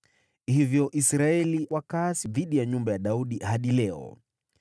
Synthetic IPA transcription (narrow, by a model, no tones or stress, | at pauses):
hivjɔʔisɾaɛliwakasiðiɗijaɲumbajaɗauɗihaɗilɛɔ̰